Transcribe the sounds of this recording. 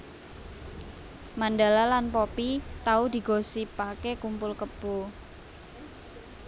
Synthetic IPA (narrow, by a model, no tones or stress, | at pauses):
manda̤lalanpopit̪aud̪̥i̤ɡ̥o̤sipakekumpʊlkəb̥o